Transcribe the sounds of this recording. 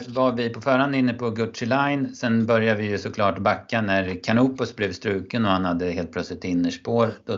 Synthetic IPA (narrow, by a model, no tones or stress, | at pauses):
vaɾvɪpʰɔfœːɾhand̪ɪnːəpʰɔɡɵʈʂɪlajnsɛnbœɾjavɪjɵsɔkʰlɑːʈbakːanæɾkʰaɳuːpʊsblɛvst̪ɾʉ̟ːkənɔhanhad̪ːəheːlt̪̚ʰlœt̪slɪt̪ɪnːəʂpoːɾd̪̥ɔ